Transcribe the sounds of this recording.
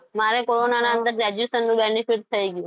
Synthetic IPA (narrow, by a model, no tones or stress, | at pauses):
maɾekoɾonanaənd̪əɾɡɾɛd͡ʒʋesənːũbenipiʈ̚t̪ʰəiɡjũ